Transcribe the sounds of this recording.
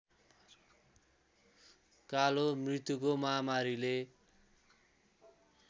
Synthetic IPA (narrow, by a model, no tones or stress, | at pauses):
kalomrit̪ukomʌɦamaɾile